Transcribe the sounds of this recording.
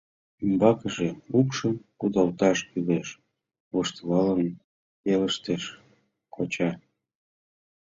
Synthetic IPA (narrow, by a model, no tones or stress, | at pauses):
ymbɑkəʒeukʃəmkud̪ɑlt̪ɑʃkyleʃ | βuʃt̪lɑlən | peləʃt̪eʃ | kʰot͡ɕɑ